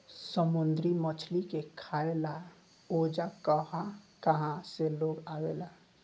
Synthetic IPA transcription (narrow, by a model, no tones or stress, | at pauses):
səmund̪ɾimət͡ʃʰlikekʰaela | od͡ʒakəɦã | kəɦãseloɡawela